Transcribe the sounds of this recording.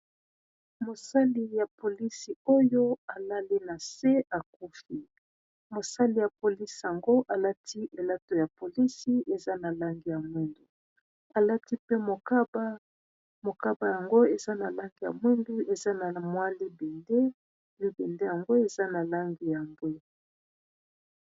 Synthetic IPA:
mo˨sa˦li˦ja˨po˨li˦si˨o˦jo˦a˨la˦li˦na˨se˦a˨ku˦fi˦ | mo˨sa˦li˨ja˨po˨li˦si˨ja˨ŋɡo˦ʔa˨la˦tʰi˦ʔe˨la˦to˨ja˨po˨li˦si˦e˨za˦na˨la˦ŋɡi˨ja˨mwi˦ndu˨ | a˨la˦ti˦pe˦mo˨ka˦ba˦ | mo˨ka˦ba˨ja˨ŋɡo˦e˨za˦na˨la˦ŋɡi˨ja̰˨mwi˦ndu˦e˨za˦na˨mwa˦li˦be˨nde˦ | li˦bɛ˨nde˦ja˨ŋɡo˦e˨za˦na˨la˦ŋɡi˨ja˨mbwe˦

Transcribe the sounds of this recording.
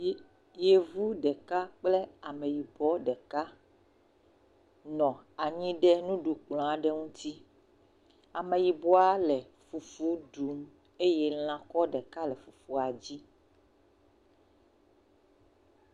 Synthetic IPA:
je˨vu˦ɖɛ˨ka˦k͡ple˦a˨mẽ˨ji˨bɔ˦ɖɛ˨ka˦ | nɔ̃˨a˨ɲĩ˦ɖɛ˦nũ˦ɖu˨k͡plɔ̃˨a˨ɖɛ˦ŋũ˦t̪i˦ | a̰˨mẽ˨ji˨bɔ˦a˦lɛ˨ | fu˨fu˦ɖu˨˦m | e˦je˦l̃ã˨kɔ˦ɖɛ˨ka˦lɛ˨fu˨fu˦a˨d͡ʑi˦

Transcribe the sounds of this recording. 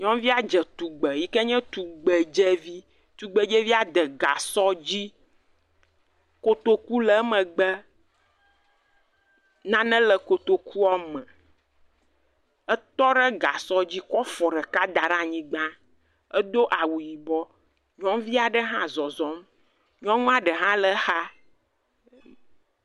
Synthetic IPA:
ɲɔ̃˦mvi˦a˨d͡ʒɛ˨t̪u˨ɡ͡bə˨ji˦kɛ˦ɲɛ̃˦t̪u˨ɡ͡bɛ˨d͡ʒɛ˦vi˦ | t̪u˨ɡ͡bə˨d͡ʒɛ˦vi˦a˨d̪ɛ˨ɡa̰˨sɔ˦d͡ʑi˦ | ko˨t̪o˨ku˦lɛ˨˦mə̃˨ɡ͡bɛ˦ | nã˦nɛ̃˦lə˨ko˨t̪o˨ku˦a˦mə̃˨ | ə˦t̪ɔ˦ɖə˦ɡa˨sɔ˦d͡ʑi˦kɔ˦fɔ˨ɖɛ˨ka˦d̪a˨ɖã˦˨ɲĩ˦ɡ͡bã˦ | ə˦d̪o˦ʔa˨wu˨ji˨bɔ˦ | ɲɔ̃˦mvi˦a˨ɖə˦ɦã˦zɔ˨zɔ˦m | ɲɔ̃˦ŋũ˦a˨ɖə˨ɦã˦lə˦xa˦

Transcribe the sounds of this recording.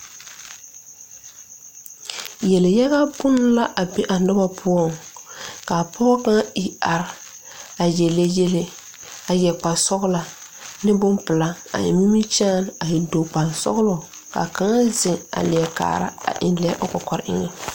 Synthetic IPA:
jɛ˨le˨ja˦ɣa˦bʊ˦n˦la˦ʔa˨be˦ʔa˨nʊ˦ba˦pʰʊ˦ɔ˦˨ŋ | ka˨pʰɔ˦ɣka˦ŋa˦ɪ˨a˨ɾ | a˨je˨le˦je˦le˦ | a˨jɛ˨k͡pa˨sɔ˦ɣla˨nɪ˦bʊ˦npɪ˨la˦a̰˨ɪ̰˨mi˦mi˦t͡ʃaː˦na˨ɪ˨do˨k͡pa˨nsɔ̰˦ɣlɔ˨ | ka̰˨ka˨ŋa˦zɪ˨ŋa̰˨lɪ˨ɛ˨ka̰ː˨ɾa̰˦a̰˨ʔɪ̰˨nlɛ˨˦ʔʊ˦kɔ˨kɔ˨ɾʔɪ̰˦ŋɛ˦

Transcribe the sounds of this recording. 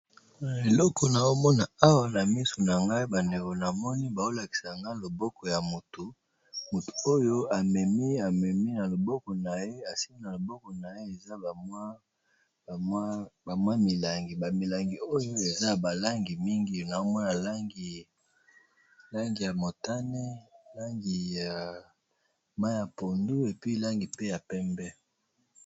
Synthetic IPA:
na˨e˨lɔ˦kʰɔ˨na˨o˦mɔ˦na˨a˦wa˨na˨mi˦so˨na˨ŋɡa˦i˦ba˨nde˨ko˨na˨mɔ˦ni˦ba˨o˦la˨ki̥˨sa˨ŋɡa˦lo˨bɔ˦kɔ˨ja˨mo˨tu˨ | mo˨tu̥˨o˦jo˦a˨mɛ˨mi˦a˨mɛ˨mi˦na˨lo˨bɔ˦kɔ˨na˨je˦a˨si˦mi˦na˨lo˨bɔ˦kɔ˨na˨je˦e˨za˦˨m˦˨˦ | ba˨mwa˦mi˨la˨ŋɡi˨ba˨mi˨la˨ŋɡi˨o˦jo˦e˨za˦˨ba˨la˦ŋɡi˨mi˦ŋɡi˨na˨o˦mɔ˦na˨la˦ŋɡi˨ | la˦ŋɡi˨ja˨mo˨ta˦ne˦la˦ŋɡi˨ja˨ | ma˦ja˨po˨ndu˦e˨pi˦la˦ŋɡi˨pe˦ja˨pɛ˦mbɛ˦

